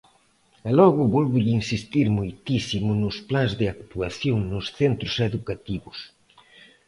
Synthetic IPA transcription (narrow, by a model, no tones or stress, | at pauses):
ɛlɔɣʊβɔlβʊʝɪinsist̪iɾmojt̪isimʊnʊsplanzðɪakt̪uaθjoŋnʊsθent̪ɾʊsɛðukat̪iβʊs